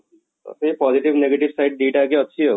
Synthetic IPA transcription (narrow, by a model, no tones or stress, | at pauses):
sepɔːzɪʈɪʋneːɡeʈɪʋsaɪʈ̚ɖiːʈaːk̬eɐtːʃʰiɦoː